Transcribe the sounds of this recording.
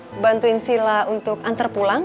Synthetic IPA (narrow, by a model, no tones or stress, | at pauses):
bant̪uinsilaunt̪ʊkant̪ərpulaŋ